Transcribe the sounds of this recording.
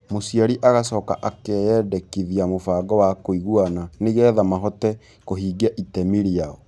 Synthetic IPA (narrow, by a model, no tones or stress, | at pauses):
mosiaɾiʔaɣasɔːka̰ʔakɛjɛːdɛkiðiamofaːɡɔwakoiɣwananeɣɛðamaɦɔtɛ | koɦiːɡiaʔitɛmiɾiaɔ